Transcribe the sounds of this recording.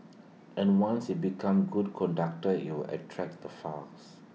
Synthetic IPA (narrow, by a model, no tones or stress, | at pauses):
ɛ̃nwãnsibikʰãmɡud̚kʰɔ̃ndak̚təḭwilʔə̰tʰɹɛk̚dəfals